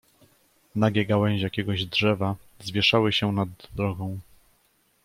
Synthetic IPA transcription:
naɡʲɛɡawɛɲ̃ʑjakʲɛɡɔʑd̪ʐɛva | zvʲjɛʂawɘɕɛnad̪ɾɔɡɔ̃w̃

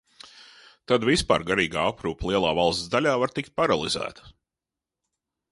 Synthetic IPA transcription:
t̪ad̪vispa̰ːɾɡaɾiːɡa̰ːapɾuːplˠiɛlˠaːvalˠst̪d̪alʲaːvaɾt̪ikt̪̚paɾalˠḭzæ̰ːt̪ə̥

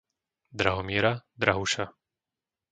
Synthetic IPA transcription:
d̪ɾaɦɔmɪɛɾad̪ɾaɦuʃa

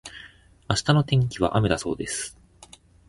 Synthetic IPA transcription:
aɕi̥t̪ano̞t̪ẽ̞ŋkʲiβ̞a̰ʔame̞d̪aso̞̰ːd̪e̞sɨ̥

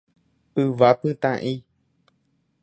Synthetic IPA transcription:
ɨvapɨ̃t̪ã̰ʔĩ

